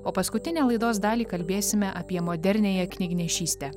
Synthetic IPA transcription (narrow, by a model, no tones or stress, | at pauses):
oːpɐskʊt̪ʲɪnʲæːlˠɐɪd̪oːs̬d̪ɑːlʲiːkɐlʲbʲeːsʲɪmʲɛʔɐpʲiɛmoːd̪ʲɛɾʲnʲeːjɛknʲɪɡʲnʲɛʃʲiːsʲt̪ʲɛ